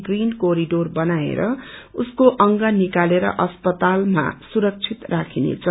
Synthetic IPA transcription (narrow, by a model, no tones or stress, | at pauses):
ɡrinkoɾiɖorbʌnaḛɾʌuskoʔʌŋɡʌnikaleɾʌ̰ʔʌspʌt̪alma̰suɾʌk̚t͡sʰit̪rakʰinḛt͡sʰʌ